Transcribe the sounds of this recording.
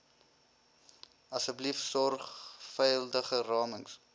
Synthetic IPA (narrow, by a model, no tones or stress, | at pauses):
ɐsəblifsɔrχfɛjəldəχərɑːməŋs